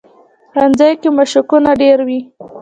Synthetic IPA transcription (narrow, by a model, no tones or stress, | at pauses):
ɾand͡zajkemaʃʊkunaɖeɾwi